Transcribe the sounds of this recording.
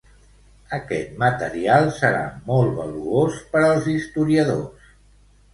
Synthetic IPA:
əkɛt̪mət̪əɾialˠsəɾa̰mɔlˠt̪βə̰luospəɾəlˠzist̪uɾiəðo̰s

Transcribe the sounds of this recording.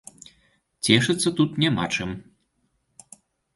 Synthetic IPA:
t͡sʲɛʂɨt̪sːɐt̪ut̪nʲama̰t͡ʂɨm

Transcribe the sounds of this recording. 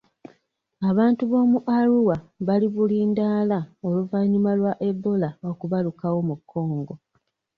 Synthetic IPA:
aβaːntuβo̞ːmuʔaɾuwaβaliβuliːndaːlao̞luvaɲimalwaʔe̞bːo̞lao̞kuβalukawo̞mukʰːo̞ːŋɡo̞

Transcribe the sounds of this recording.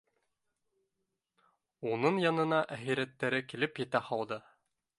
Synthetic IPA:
unɤŋjɑnɤ̆nɑʔæχiɾæt̪ːæɾɘkilɘpjɘ̆t̪æhɑlˠd̪ɤ

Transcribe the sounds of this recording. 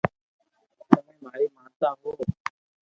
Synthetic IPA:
səmẽːmaːɾiːmãːt̪aːɦoː

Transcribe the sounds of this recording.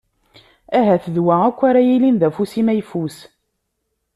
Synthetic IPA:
æɦæθəðwæækʷːaɾæjilinðæfusimæjfus

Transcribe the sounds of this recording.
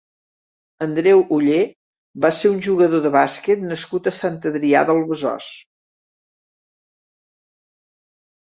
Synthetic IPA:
ənd̪ɾɛwʔuʎe | baseunʲʒuɣəðoðəβaskət̪nəskut̪əsant̪əðɾia̰ðəlˠβəzɔ̰s

